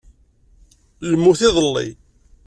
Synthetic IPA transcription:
ləmːuθɪðˤəlːḭ

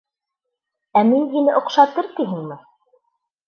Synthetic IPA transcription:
æminɦinɘʔŏqʃɑt̪ɤɾt̪iɦɘŋmɘ

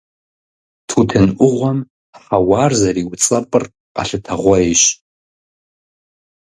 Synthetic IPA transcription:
tʰutʰɨnʔʷʊʁʷam | aħawarzaɾiwt͡sʼapʼɨrʼ | a̰ɬɨtʰaʁʷaeʃʷ

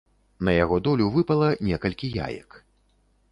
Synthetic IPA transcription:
nɐjaɣɔd̪ɔlʲuvɨpɐlˠɐnʲɛkɐlʲkʲija̰jɐ̰k

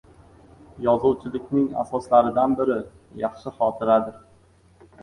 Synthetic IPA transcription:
jɒzʊwt͡ʃʰɪlɪkʲnɪŋa̰sɒslaɾɪd̪anbɪɾɪ | jɑχʃɪχɒt̪ʰɪɾad̪ɪɾ

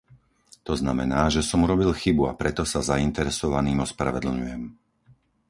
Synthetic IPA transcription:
t̪ɔznamɛnaːʒɛsɔmuɾɔbilxibua̰pɾɛt̪ɔsazaint̪ɛɾɛsɔʋaniːmɔspɾa̰ʋɛd̪l̩ɲujɛm

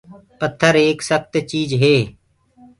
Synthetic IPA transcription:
pət̪ʰːəɾeːksəkt̪t͡ʃiːd͡ʒɦeː

